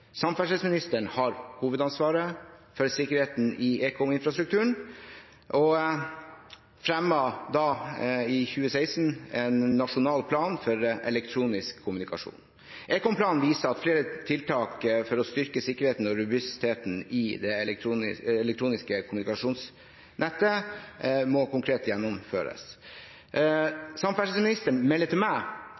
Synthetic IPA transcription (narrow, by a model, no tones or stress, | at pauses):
sɑmfæʂɛːsmɪnɪst̪əɳhɑɾhuːʋəd̪ɑnsʋɑːɾəfɔɾsɪkːəɾheːt̪n̩ɪʔeːkʰɔmɪnfɾɑst̪ɾʉk̚t̪ʰʉːəɳ | ʔɔ | fɾɛmːɑd̪ɑɪçʉːəsæɪsnɛnːɑʂʊnɑːlpʰlɑːnfɔɾʔɛlɛk̚t̪ʰɾuːnɪskʰːʊmʉnɪkɑʂṵːn | ʔɛːkɔmpʰlɑːnʋiːsəɾɑt̪fleːɾət̪ʰɪlt̪ʰɑːkfɔɾɔst̪ʏɾkəsɪkːəɾheːt̪n̩ɔɾʉbʉst̪ʰeːt̪n̩ɪd̪ɛuːɪɛlɛk̚t̪ʰɾuːnɪskəkʰʊmʉnɪkɑʂuːns | nɛt̪ːə | mɔkʊŋkʰɾeːt̪jɛnːɔmføːɾə̰s | sɑmfæʂəsmɪnɪst̪əɾmɛlːət̪ʰɪlmæɪ